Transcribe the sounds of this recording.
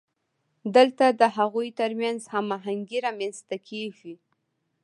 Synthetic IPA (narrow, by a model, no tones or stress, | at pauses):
d̪əlt̪ad̪əɦaɣujt̪əɾmjanzhamaɦaŋɡiɾamjanst̪akʰeʒi